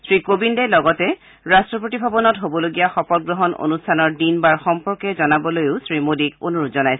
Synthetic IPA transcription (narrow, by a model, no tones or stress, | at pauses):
sɹikobindɛlɔɡɔtɛ | ɹastɹɔpɹotibʱabɔnɔtɦobɔloɡijaxɔpɔɡɹɔɦɔnʔo̰nustʰanɔɹdinbaɹxɔmpɔɹkɛzɔnabɔlojʊsɹimodikonuɹutzɔnajsɛ